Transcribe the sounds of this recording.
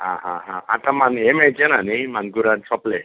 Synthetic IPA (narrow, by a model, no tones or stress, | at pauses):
ɦãɦãɦãã̰t̪ʰamanemed͡ʒenanimanɡuɾansɔple